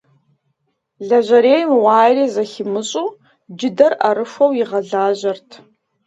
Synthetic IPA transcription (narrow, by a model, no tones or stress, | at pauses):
ɮɐʑɐɾeːjmwɑːjriːzɐxɪmɨɕʼuː | d͡ʒɪdɐrɐɾɨfʷɐwjɪʁɐɮaːʑɐrtʰ